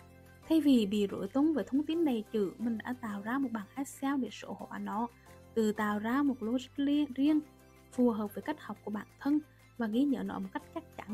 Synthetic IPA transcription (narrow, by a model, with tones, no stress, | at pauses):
t̪ʰa˧jvi˨˩ɓḭ˧˨zo̰˧˩jt̪o˨˦nveː˨˩t̪ʰə˧wŋ͡mt̪i˨˦nɗe˨˩t͡ɕɨ̰˧˩mï˨˩ŋ̟ɗa̰ː˧˥t̪a̰ː˧˨wzaː˧mo˨˩t̚ɓaː˨˩nʔaː˦˥saː˧wɗe˧˩so̰˧˥ho̰˧˨ʔa̰˨˩nɔ˧˩˦ | t̪ɨ˨˩t̪a̰ː˧˨wzaː˧mo˨˩t̚lo˧zə˦˥˧zi˧ən | fu˨˩ɦəː˨˩p̚ve˨˩ka˦˥jk̟̚ha˨˩wk͡p̚ku˧˩əɓaː˧˩nt̪ʰə˧n | vaː˨˩ɣḭ˧˥ɲə̰ː˧˨nɔ̰˧˥mo˨˩ka˦˥jk̟̚t͡ɕa˦˥jk̟̚t͡ɕa˧˩n